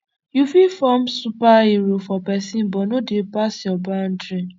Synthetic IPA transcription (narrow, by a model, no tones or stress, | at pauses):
jufifɔmsupaiɹofɔpɛsĩnbɔnodepasjɔbãndɹĩn